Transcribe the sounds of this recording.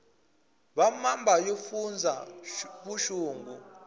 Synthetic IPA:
βamambʱajofund͡zʱaβuʃuːŋɡu

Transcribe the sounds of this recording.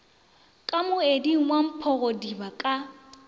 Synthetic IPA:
kʼamʊediŋ̩wam̩pʰɔɣodibakʼa

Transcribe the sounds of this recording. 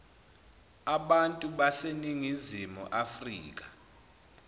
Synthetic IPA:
aɓantʼuɓaseniŋizimṵʔafriːk̬ḁ

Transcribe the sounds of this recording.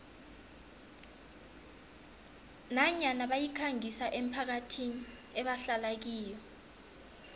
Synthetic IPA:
naɲanaɓajikʰaŋisaʔem̩pʰak̬atʰini | ɛɓaɬalak̬iːjɔ

